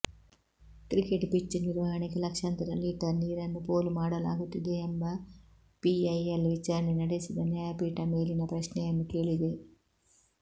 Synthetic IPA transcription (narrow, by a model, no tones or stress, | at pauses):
ʈɾikeʈpit͡ʃːiniɾʋɐɦɐɳikelɐkʂant̪ɐɾɐlːiːʈɐniːɾɐnːupoːlumaːɽɐla̰ːɡut̪ːid̪e̞ːmbɐ | piɐjɐlʋit͡ʃaːɾɐnenɐɽesid̪ɐnjɐjɐpiːʈɐmeːlinɐpɾɐʃnɛjɐnːuke̞ːɭid̪e̞